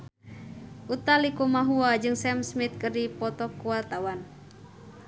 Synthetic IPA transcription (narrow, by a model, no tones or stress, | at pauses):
ʔut̪alikumaɦuad͡ʒɨŋsɛmsmit̪̚kərdipɔt̪ɔkuwalt̪awan